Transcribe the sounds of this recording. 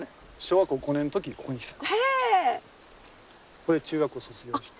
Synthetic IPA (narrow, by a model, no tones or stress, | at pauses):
ɕoːɡakɯoɡonẽnt̪o̞kʲikʰoːɲʲii̥sḁ̃ | koet͡ɕɨːɡakɯ̟osot͡sɨɡʲoɕi̥t̪